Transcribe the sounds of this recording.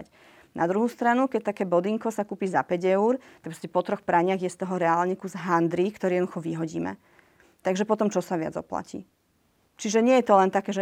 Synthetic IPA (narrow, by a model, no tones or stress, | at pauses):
c | nʔad̪ɾuɦuːst̪ɾanukɛct̪akɛːbɔd̪iŋkɔsakuːpiːzapɛɟɛʊɾt̪ak̚pɾɔscɛpɔt̪ɾɔxpɾaɲɪaɣjɛst̪ɔɦɔɾɛaːlɲɛkuzɦand̪ɾikt̪ɔɾiɛd̪uxɔʋiɦɔɟḭːmɛ̰ | t̪aɡʒɛpɔt̪ɔmt͡ʃɔsaʋɪa̰d͡zɔ̰pla̰cḭ | t͡ʃiʒɛɲɪɛjɛt̪ɔlɛnt̪akɛːʒɛ